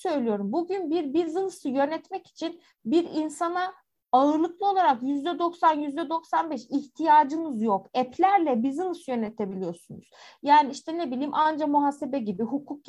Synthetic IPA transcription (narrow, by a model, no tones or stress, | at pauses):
sø̞jlʲijo̞ɾumbuɟynbiɾbizɯnsɯjø̞nɛt̪mɛci̥t͡ʃʰin | biɾinsana | aɯɾlˠɯklˠɯo̞lˠaɾakjyzd̪ɛd̪o̞ksanjyzd̪ɛd̪o̞ksanbɛʃiçt̪ʰijaːd͡ʒɯmɯzjo̞kɛpʰlʲæɾlʲɛbizɯnɯsɯjø̞nɛt̪ʰe̞bilʲijo̞sunṵz̥jaːniiʃt̪ʰɛnebilʲiːmʔand͡ʒamuɦaːse̞bɛɟibiɦukʰuk̚